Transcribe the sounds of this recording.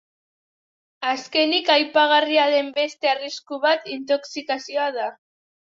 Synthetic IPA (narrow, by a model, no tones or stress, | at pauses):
aske̞nikajpaɣ̞ariaðe̞mbe̞st̪e̞ariskuβat̪int̪̬o̞ksikasioaða